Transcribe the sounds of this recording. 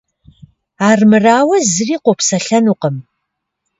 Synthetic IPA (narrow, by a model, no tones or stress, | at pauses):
aːrmɨraːwɐzɨriːqʷɔpsɐɬɐnuːqəm